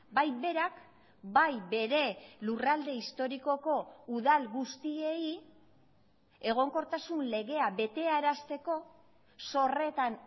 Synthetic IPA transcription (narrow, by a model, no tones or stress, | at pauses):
bajbe̞ɾak | bajbe̞ɾe̞lurald̪e̞ist̪o̞ɾiko̞ko̞uðalɣust̪ie̞i | e̞ɣ̞o̞ŋko̞ɾt̪asunle̞ɣe̞aβe̞t̪e̞aeɾast̪e̞ko̞ | so̞re̞t̪an